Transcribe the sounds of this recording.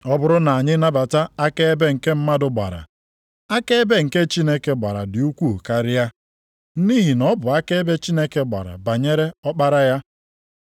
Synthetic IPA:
ɔ˦bʊ˦ɾʊ˦na˨a˨ɲɪ˦na˦ba˨ta˦a˦ke˦e˦be˦ŋ̩˨ke˦m̩˦ma˦dʊ˨ɡ͡ba̰˨ɾa̰˨ | a˦ke˦be˦ŋ̩˨ke˦t͡ʃi˦ne˦ke˦ɡ͡ba˨ɾa̰˨dɪ˨u˦kʷu˦˨ka˦ɾɪ˦ja˦ | ni˦ɦi˨nɔ˦bʊ˨a˦ke˦be˦t͡ʃi˦ne˦ke˦ɡ͡ba̰˨ɾa̰˨ba˨ɲe˦ɾe˦ɔ˦k͡pa˦ɾa˦ja˦

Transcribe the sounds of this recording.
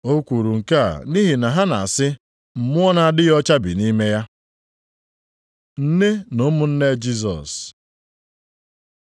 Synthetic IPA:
o˦kʷu˨ɾu˨ŋ̩˨ka˦a̰˨ni˦ɦi˨na˨ɦa˦na˨a˨sɪ˦ | m̩˨mʊ˦ɔ˦na˨a˨dɪ˦jɔ˦t͡ʃa˦bḭ˨ni˦me˦ja˦ | n̩˦ne˦no˦mʊ˨n̩˦ne˦d͡ʒi˦s̬ɔ̰˨s

